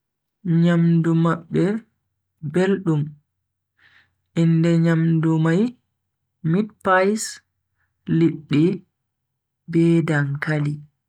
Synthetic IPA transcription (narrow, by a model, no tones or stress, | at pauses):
ɲamdumaɓːɛ | belɗum | ʔindɛɲamdumaj | mit̚pajs | liɗːi | bɛːdaŋkali